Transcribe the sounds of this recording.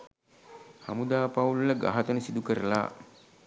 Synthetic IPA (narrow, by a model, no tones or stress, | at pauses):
ha̰mud̪aːpaulləɡa̰ɦat̪ənəsid̪ukəɾəla̰ː